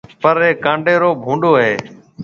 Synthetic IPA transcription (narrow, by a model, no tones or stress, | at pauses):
pəɾeːkãːɳɖeːɾoːbʱũːɳɖoːɦeː